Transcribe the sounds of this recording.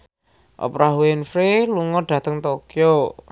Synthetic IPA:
ʔo̰pɾaɦwenfɾeluŋɔɖ̥ä̤t̪əŋt̪okjɔ

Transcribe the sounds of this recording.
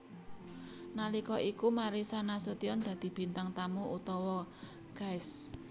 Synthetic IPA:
nalikɔʔikumaɾisanasot̪iɔnd̪̥ä̤d̪̥i̤b̥i̤nt̪aŋt̪amuʔut̪ɔwɔ | ɡ̥ajs

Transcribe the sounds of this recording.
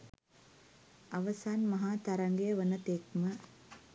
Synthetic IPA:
ɐʋəsaːnmɐɦaːt̪ɐɾɐŋɡejəʋənɐt̪ekmə

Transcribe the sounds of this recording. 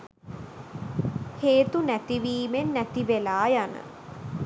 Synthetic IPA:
heːt̪unæt̪iʋiːmenːæt̪iʋelaːjanə̰

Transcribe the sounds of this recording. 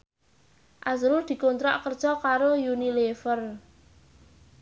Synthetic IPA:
ʔazɾurd̪̥i̤kont̪ɾa̰ʔkərd̥ʒ̥ɔkaɾojunilefər

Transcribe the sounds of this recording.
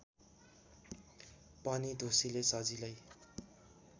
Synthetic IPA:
pʌnid̪ʱosilesʌd͡zilʌj

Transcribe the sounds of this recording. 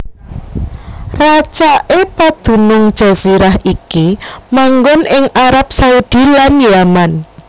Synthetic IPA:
rat͡ʃaʔepad̪̥ṳnʊŋ̥ʒ̥a̤ziɾaɦʔikimaŋɡɔnɪŋʔaɾap̚saud̪̥i̤lanjaman

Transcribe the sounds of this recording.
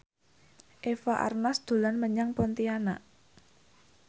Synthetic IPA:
ʔefaʔa̰rnasd̪̥o̤lanməɲaŋpɔnt̪iana̰ʔ

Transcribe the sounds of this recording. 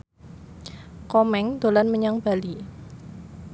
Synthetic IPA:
kɔmɛŋd̪̥o̤lanməɲaŋb̥a̤li

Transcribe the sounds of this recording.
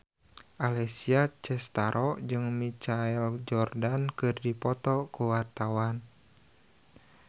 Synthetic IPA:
ʔalɛsiat͡ʃɛst̪aɾʔɔd͡ʒɨŋmit͡ʃaɛld͡ʒɔrdankɨrdipɔt̪ɔkuwart̪awan

